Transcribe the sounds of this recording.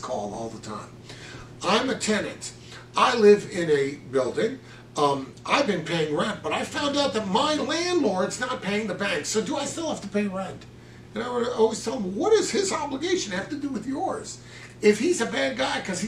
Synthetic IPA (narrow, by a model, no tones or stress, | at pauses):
kʰɔlˠɔ̰lˠðətʰã̰ɪ̃m | ãɪ̃mɨtʰɛnɨ̰̃nt | ʔaɪlɪvɪ̃nɨbɪlˠdɪ̃ŋ | ʔaɪvbɨ̃npʰeɪɪ̃ŋɹɛ̃nt̚b̥ʌɾaɪfãʊ̃ndaʊt̪̚ðɨt̚maɪlæ̃ndˡlɔɹdznət̚pʰeɪɪ̃ŋðɨbæ̃ŋksoʊdəaɪstɪlˠhæftəpʰeɪɹɛ̃nt | ɨ̃naɪwəɔlˠwiz̥tʰɛlˠə̃mwʌɾɨz̥ɪzɑbləɡeɪʃɨ̃n̩hæftɨdɨwɨðjɔɹz̥ | ɪfhizɨbæd̚ɡaɪkʰʌz̥i